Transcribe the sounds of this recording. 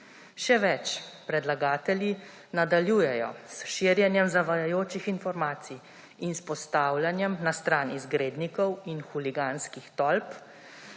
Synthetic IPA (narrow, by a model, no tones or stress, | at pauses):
ʃɛʋɛt͡ʃpɾɛd̪laɡaːt̪ɛlji | nad̪aljuːjɛjɔ̰sʃiɾjɛnjɛmzaʋajajoːt͡ʃixinfɔɾmaːt̪si | inspɔst̪aːwlʲjanjɛmnast̪ɾaːnizɡɾeːd̪nikɔwinxuliɡaːnskixt̪ɔlp